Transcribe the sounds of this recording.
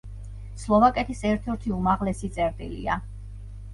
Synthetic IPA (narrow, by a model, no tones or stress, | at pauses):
slˠɔvakʼɛt̪ʰisɛɾt̪ʰɛɾt̪ʰiumaʁlɛsit̪sʼɛɾt̪ʼḭlḭa